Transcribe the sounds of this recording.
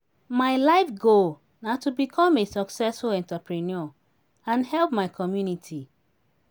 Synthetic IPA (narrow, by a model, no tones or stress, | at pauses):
maɪlaɪfɡo | natubikʰɔ̃mesɔksɛsfulɛ̃ntapɹinɔ | ãnhɛlpmaɪkʰɔmjunitʰi